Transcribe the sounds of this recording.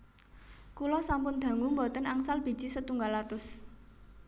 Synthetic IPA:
kulɔsampʊnd̪̥a̤ŋʊmbɔt̪ənaŋsalb̥i̤̥d͡ʒ̥isət̪uŋɡalat̪ʊs

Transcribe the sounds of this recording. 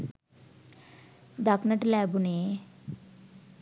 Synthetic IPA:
d̪aknɐʈlaːbune

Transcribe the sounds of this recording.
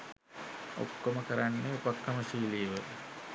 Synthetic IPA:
o̰kːoməkəɾanːeupəkːəməsiːlijəʋə

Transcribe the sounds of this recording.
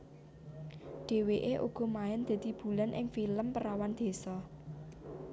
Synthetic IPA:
ɖ̥e̤weʔeʔṵɡ̥ɔ̤maɪnd̪̥e̤d̪̥i̤b̥ṳlanʔɪ̰ŋfiləmpəɾawand̪̥e̤sɔ

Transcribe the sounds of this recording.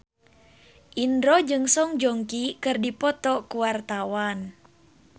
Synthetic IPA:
ʔindɾɔd͡ʒɨŋsɔŋd͡ʒɔŋkikɨrdipɔt̪ɔkuwart̪awan

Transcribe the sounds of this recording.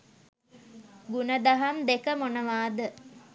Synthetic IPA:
ɡunəd̪aɦamd̪ekəmonəʋaːd̪ə

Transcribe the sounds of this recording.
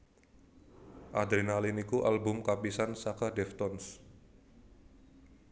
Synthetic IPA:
ʔad̪ɾinalinikuʔalbʊmkapisansakadɛft̪ɔns

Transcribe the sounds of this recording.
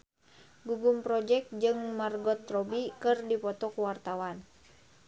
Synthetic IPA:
ɡuɡumpɾɔd͡ʒɛk̚t̪̚d͡ʒɨŋmarɡɔt̪rɔbikɨrdipɔt̪ɔkuwart̪awan

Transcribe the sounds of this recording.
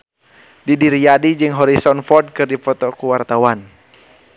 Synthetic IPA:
didiɾijadid͡ʒɨŋɦɔɾisɔnfɔrd̚kɨrdifɔt̪ɔkuwart̪awan

